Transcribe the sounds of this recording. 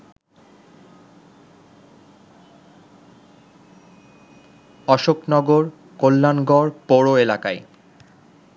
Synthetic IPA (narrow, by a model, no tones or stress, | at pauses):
ɔʃoknɔɡoɾ | kolːanɡɔɾpoɾoelakae